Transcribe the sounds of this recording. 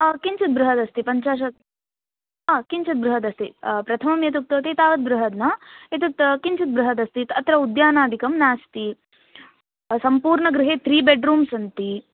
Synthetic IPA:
kiɲt͡ʃɐt̪̚bɾuɦɐd̪ɐst̪ipɐɲt͡ʃaːʃ̬ɐ | aːkiɲt͡ʃɐt̪̚bɾuɦɐd̪ɐst̪ipɾɐt̪ʰɐmɐmjɐt̪̬uk̚t̪ɐʋt̪it̪aːʋɐt̪̚bɾuɦɐd̪nɐet̪ɐt̪kiɲt͡ʃɐt̪̚bɾuɦɐd̪ɐst̪it̪ɐt̪ɾɐud̪jaːnaːd̪ʱikɐmnaːst̪i | sɐmpuːɾɳɐɡɾɪɦeːt̪ɾiːbeɖɾuːmsɐnt̪i

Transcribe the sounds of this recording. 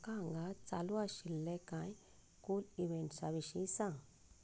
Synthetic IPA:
kaŋɡat͡saluaʃilːekãj | kuliβensaβiʃisã

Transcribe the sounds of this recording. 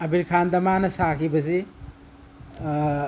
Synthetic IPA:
ɐbiɾkʰandɐmanɐsakʰibɐs̬i

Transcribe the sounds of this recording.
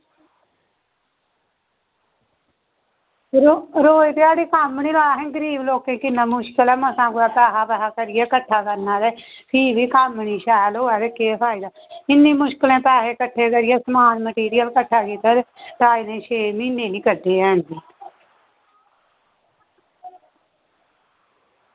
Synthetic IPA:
ɾoɾoːit̪eaːɽiːkaːmniːloːaːɦɛ̃ːɡəɾiːbloːkẽːkɪnːãːmʊʃkəlɛːməsãːkʊaːpaːɦaːpɛɦaːkəɾɪjeːkəʈʰːaːkəɾnaːɾɛːpʰiːbiːkamɳiːʃaːloːɛːd̪eːkeːpʰaːɪːd̪aːɪniːmʊʃkɪlẽːpaːɦeːkəʈʰːeːkəɾɪjeːsəmaːnməʈiːɾɪjəlkəʈʰːaːkiːt̪aːɾeːʈaːinẽːʃeːmineːliːkəʈʰːeːɦɛ̃ːnd̪iː

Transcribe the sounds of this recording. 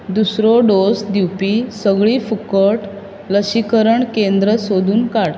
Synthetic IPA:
d̪usɾɔɖosd̪iwpisəɡɭiːfukəʈ | ləɕikəɾəɳkend̪ɾəsod̪uːnkaɽ

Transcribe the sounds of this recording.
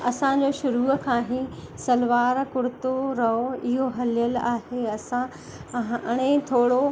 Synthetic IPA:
ɐsãd͡ʑoːʃʊɾuːkʰãːɦi | sɐlʋaːɾkʊɽɪt̪oɾɐɦoɪɦoɦɐlijəlaːheɐsã | ɽ̃ẽt̪ʰoːɽo

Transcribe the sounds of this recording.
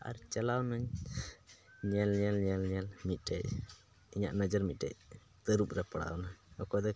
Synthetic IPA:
a̰ɾt͡ʃalawnaɲ | ɲɛlɲɛlɲɛlɲɛlmit̪̚ˀɖɛʔ̚ | iɲa̰ʔnəd͡ʒəɾmit̪̚dɛ̰ʔ̚ | t̪əɾup̚ɾɛpəɽa̰wnaɲɔkɔd̪ɔ

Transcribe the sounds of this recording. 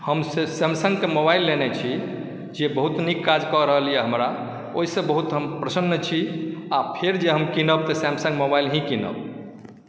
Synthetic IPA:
həmsesemsə̃ŋɡkemobailːenet͡ʃʰi | d͡ʒebəɦut̪nikːad͡ʒkɔɾəɦəlijeɦəmɾa | oɦisə̃bəɦut̪ɦəmpɾəsənːət͡ʃʰiapʰeɾd͡ʒeɦəmkinəb̚t̪əsɛ̃msə̃ŋɡmobailɦĩkinə̰b

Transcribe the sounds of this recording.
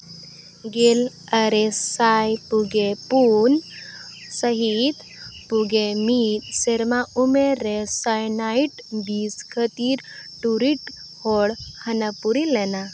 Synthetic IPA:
ɡel | əɾesajpuɡepun | səɦit̪ | puɡemit̪seɾmaʔumeɾesajnaiʈbiskʰət̪iːɾʈuɾiʈ | hoɽhənəpuɾilena

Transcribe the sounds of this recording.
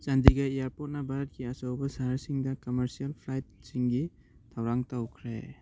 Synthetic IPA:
sandiɡajijaɾpot̚nɐbʱaɾɐt̚ɡiɐsawbɐsaɾsiŋdɐkɔmeɾsijalpʰlajt̚siŋɡi | tʰawɾaŋtawkʰɾḛ

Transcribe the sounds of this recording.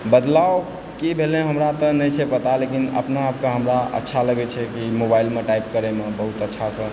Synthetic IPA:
bəd̪lao | kibʱelẽɦəmɾat̪ɔnəjt͡ʃʰɛpət̪alekinə̰pnaːp̚keɦəmɾaə̰tːʃʰaləɡɛt͡ʃʰɛkimobailmeʈaip̚kəɾɛmebəɦut̪ətːʃʰasə̃

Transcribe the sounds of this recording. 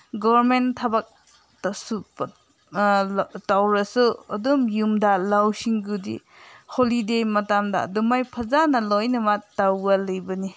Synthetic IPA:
ɡɔɾmentʰɐbak̚ | tɐsu | tawɾɐsuɐdumjumdalawsiŋɡudḭ | holidejmɐtamdɐ̰dumajpʰɐzanɐlojnɐmatawɡɐlɐjbɐni

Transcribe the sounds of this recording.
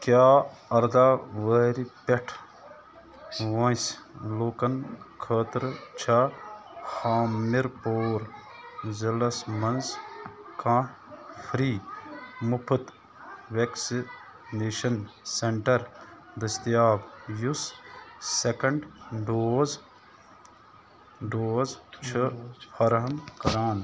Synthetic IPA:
kjaːɐɾd̪aːʋəɾipeʈʰ | ʋɐ̃sloːkɐnkʰəːt̪ɾt͡ʃʰa | haːmːiɾpoːɾ | zɐlɐsmɐnskãː | fʰɾiːmupʰɨt̪ | ʋeksi | neːʃɐnseɳʈɐɾ | d̪ɐst̪ijaːbjusː | ekɐɳɖɖoːz | ɖoːzt͡ʃʰɨpʰɐɾɦɐmkɐɾaːn

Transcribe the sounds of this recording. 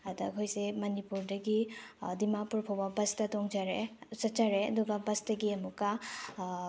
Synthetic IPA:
ɐdɐɐkʰojsemɐnipuɾdɐɡidimapuɾpʰowbɐbɐstɐtoŋd͡ʒɐɾesɐt͡ʃɐɾeɐduɡɐbɐstɐɡiɐmukːɐ

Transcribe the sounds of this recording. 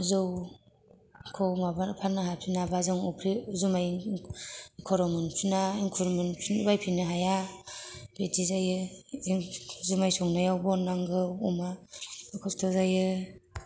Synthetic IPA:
zɯw | kʰowmabapʰanːɯɦapʰinabazɯŋɔpʰɾizumaj | kʰɔɾɔmɯnpʰinaiŋkʰuɾmɯnpʰnbajpʰinɯɦaja | b̥etizajɯ | zumajsɔŋnajawbɔnːaŋɡɯɔmakʰɔstʰɔzajɯ

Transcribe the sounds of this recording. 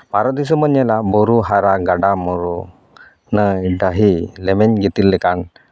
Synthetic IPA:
baɾɔd̪is̬ɔməɲɛlabɔɾuɦaɾaɡaɖamɔɾu | nəjɖaɦilɛmɛɲɡit̪ilːɛkan

